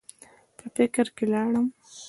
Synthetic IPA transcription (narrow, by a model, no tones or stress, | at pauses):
pəfɪkɾkelɑɽəm